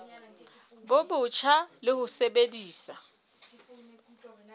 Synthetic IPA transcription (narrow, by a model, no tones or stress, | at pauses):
bʊbʊt͡ʃʰalɪhʊsebediːsa